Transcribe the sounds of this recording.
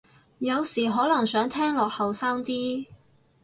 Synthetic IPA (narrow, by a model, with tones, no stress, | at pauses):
jɐ˨˧wsiː˨˩ɦɔː˨˥lɐ˨˩ŋsœː˨˥ŋt̪ʰɛː˥ŋlɔː˨k̚hɐ˨wsaː˥ŋt̪iː˥